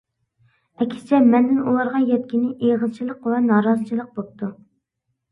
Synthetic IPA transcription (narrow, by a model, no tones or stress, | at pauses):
ɛkʲʰsɪ̥t͡ʃʰɛmɛnd̪ɪnulˠɑɾʁɑjɛt̪̚kʲinɪʔeʁəzt͡ʃʰilˠəqwɛnɑːɾɑzɨt͡ʃʰilˠəq̚bop̚t̪ʰu